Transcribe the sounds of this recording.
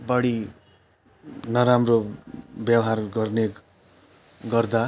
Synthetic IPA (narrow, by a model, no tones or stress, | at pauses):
bʌɽi | nʌɾamrobjʌwɦarɡʌrne | ɡʌrd̪a